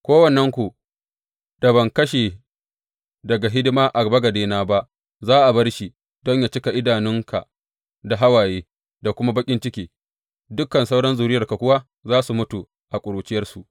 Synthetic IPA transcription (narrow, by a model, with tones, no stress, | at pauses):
kʷoː˦wɐ˨nːɐ˦ŋkʷu˨ | d̥a˨bɐ˨ŋkɐ˦ʃeː˨ | dɐ˨ɡa˨ɦɪ˦dɪ˦maː˦ʔa˨bɐ˦ɡɐ˨deː˦naː˦ba˦ʔ | zaː˦ʔa˨bɐ˦rʃi˨ | dɔ˦ɲjaː˨t͡ʃɪ˦ka˨ʔɪ˦daː˨nɪ˦ŋka̰˨ | da˨ɦa˦waː˨jeː˦ | da˨kʷʊ˦ma˦bɐ˦kʲʼɪ˦nt͡ʃɪ˦kʲiː˨ | dʊ˦kːɐ˨nsa˦wɽɐ˦nzuː˨ɾɪ˦jɐ˨rka˨kʷʊ˦waː˦ | zaː˦su˨mʊ˦tu˨ | ʔa˨kʷʼʊ˨ɾuː˨t͡ʃɪ˦jɐ˦rsu˨ʔ